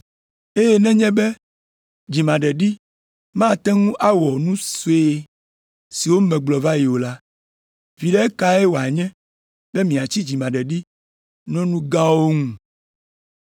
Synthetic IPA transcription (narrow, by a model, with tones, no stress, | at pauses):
e˦jɛ˦nɛ̃˦ɲɛ̃˦bɛ˦ | d͡ʑi˨mã˨ɖɛ˨ɖi˦ | mã˦˨t̪ɛ˦ŋũ˦ʔa˦wɔ˨nũ˦so˨˦e˦ | si˨wo˦mɛ̃˨ɡ͡blɔ˨va˦ji˨wo˨la˦ | vi˨ɖɛ˦e˦ka˦e˦wo˨a˨ɲɛ̃˦ | be˦mĩ˨a˨t͡ɕi˦d͡ʒi˨mã˨ɖɛ˨ɖi˦ | nɔ̃˦nũ˦ɡã˦wo˦ŋũ˨